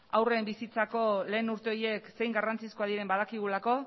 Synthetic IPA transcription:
awre̞mbisit͡sako̞le̞ːnuɾt̪e̞o̞ɾjie̞kse̞jŋɡarant͡siskoað̞iɾe̞mbað̞akiɣ̞ulako̞

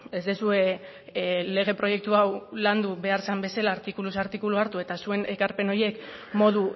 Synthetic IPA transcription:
e̞zd̪esue̞ | le̞ɣ̞e̞pɾo̞je̞k̚t̪uawland̪uβe̞aɾsambe̞salaːɾt̪ikulusaɾt̪ikuluaɾt̪ue̞t̪asue̞ne̞kaɾpe̞no̞je̞kmo̞ð̞u

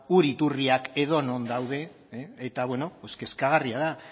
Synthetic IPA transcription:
uɾit̪uriake̞ð̞o̞no̞nd̪awð̞e̞ː | t̪aβwe̞no̞poske̞skaɣariaða

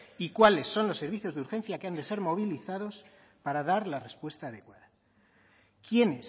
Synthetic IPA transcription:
ikwale̞sːo̞nlo̞sːe̞ɾβiθjo̞zðuɾxe̞nθjakeand̪e̞se̞ɾmo̞β̞iliθaðo̞s | paɾaðaɾlare̞spwe̞st̪aːðe̞kwaða | kje̞nes

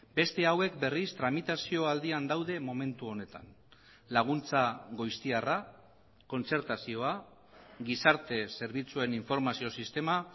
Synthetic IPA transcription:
be̞st̪e̞awe̞kbe̞rist̪ɾamit̪asio̞ald̪iand̪awðe̞mo̞me̞nt̪uo̞ne̞t̪a̰n | laɣ̞unt͡saɣo̞jst̪iara | ko̞nt͡se̞ɾt̪asio̞a | ɡisaɾt̪e̞se̞ɾβit͡sue̞niɱfo̞ɾmasio̞sist̪e̞ma

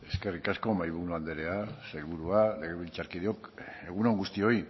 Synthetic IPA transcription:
e̞ske̞rikasko̞majβuɾuand̪eɾe̞asajlβuɾuale̞ɣ̞eβilt͡ʃaɾkiðeo̞ke̞ɣ̞unoŋɡust̪io̞j

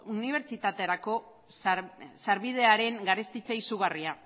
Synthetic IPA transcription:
uniβ̞e̞ɾt͡ʃit̪at̪e̞aɾako̞ | ssaɾβið̞e̞aɾe̞ŋɡaɾest̪it͡saisuɣaria

